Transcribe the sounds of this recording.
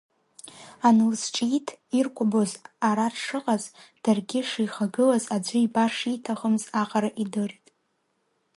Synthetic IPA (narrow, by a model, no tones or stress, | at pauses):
anɨlsʈ͡ʂʼitʰirkʷʼʊbozaɾarʂɨqʼazd̥arɡʲɪʂijχaɡɨlazad͡ʒʷɨibaʂitʰaχəmzaqʼaɾaʔidɨritʼ